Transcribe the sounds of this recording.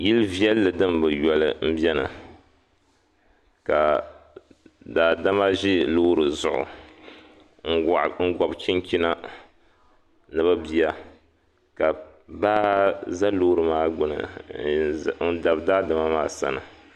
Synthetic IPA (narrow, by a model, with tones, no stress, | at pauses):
ji˦lvi˦ɛ˦lːɨ˨dɨ˦mbɨ˨jɔ˨lɨ̰˨m̩˦bjɛ˦nɨ̰˨ | ka˨ | daː˨da˦ma˦ʒɪ˦loː˦ɾɨ˨zʊ˨ʔʊ̰˨ | ŋ̩˦˨ŋ̩˦ɡɔ˨bt͡ʃi˦ŋkʲi˦na˦ | nɨ˨ba˦bi˨a˦ | ka˨ | baː˦za˦loː˦ɾɨ˨maː˦ɡ͡bʊ˨nɨ̰˨ | n̩˦da˨bdaː˦dɨ˨ma˦maː˦sa̰˦nɨ̰˨